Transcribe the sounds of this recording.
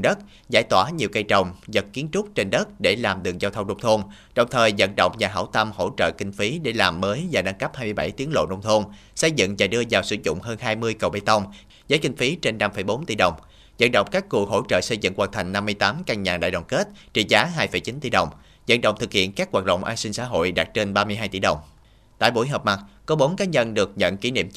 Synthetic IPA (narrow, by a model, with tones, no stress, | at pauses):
ɗə˦˥t̚ | za̰ː˧˩jt̪waː˧˩ɲi˨˩əwkə˧jt͡ɕə˨˩wŋ͡mzə˨˩t̚ki˨˦nt͡ɕʊ˦˥k͡p̚t͡ɕe˧nɗə˦˥t̚ɗe˧˩laː˨˩mɗɨ˨˩əŋ̚zaː˧wt̪ʰə˧ŋ͡mno˧wŋ͡mt̪ʰo˧n | ɗə˨˩wŋ͡mt̪ʰəː˨˩jzə̰˧˥nɗə̰˧˨wŋ͡mɲaː˨˩ɦa̰˧˩wt̪ə˧mho̰˧˥t͡ɕə̰ː˧˨kï˧ŋ̟fi˨˦ɗe˧˩laː˨˩mːəː˨˦jzaː˨˩ɗa˧ŋkə˦˥p̚haː˧jmɨ˧jɓa̰˧˩jt̪i˨˦ənlo̰˧˨no˧wŋ͡mt̪ʰo˧n | sə˧jzɨ̰˧˨ŋzaː˨˩ɗɨ˧əzaː˨˩wsɨ˧˩zʊ̰˧˨ŋ͡mɦəː˧nɦaː˧jmɨ˧əjkə˨˩wɓa˧˩jt̪ə˧wŋ͡m | zəː˨˦jkï˧ŋ̟fi˨˦t͡ɕe˧nːa˧mfə˧˩jɓo˨˦nt̪ḭ˧˩ɗə˨˩wŋ͡m | zə̰˧˥nɗə̰˧˨wŋ͡mkaː˦˥kku˨˩ɦo̰˧˥t͡ɕə̰ː˧˨sə˧jzɨ̰˧˨ŋkwaː˧nt̪ʰa˨˩jŋ̟na˧mːɨ˧əjt̪aː˨˦mkaː˧ŋɲaː˨˩ɗa̰ː˧˨jɗwɔ̰˨˩nke˦˥t̚t͡ɕi˨˩zaː˨˦ɦaː˧jfə˧˩jt͡ɕi˨˦nt̪ḭ˧˩ɗə˨˩wŋ͡m | zə̰˧˨nɗə̰˧˨wŋ͡mt̪ʰɨ˨˩k̚hḭ˧˨ənkaː˦˥k̚ːwaː˨˩t̚ɗə̰˧˨wŋ͡mʔaː˧nsï˧ŋ̟sa̰ː˧˥˦ɦo̰˧˨jɗaː˨˩t̚t͡ɕe˧nɓaː˧mɨ˧əjɦaː˧jt̪i˧˩ɗə˨˩wŋ͡m | t̪a̰ː˧˨jɓu˧˩jɦəː˨˩p̚ma˨˩t̚kɔ˨˦ɓo˨˦nkaː˨˦ɲə˧nɗɨ˨˩ək̚ɲə̰˧˨nki˧˩˦nḭ˧˨m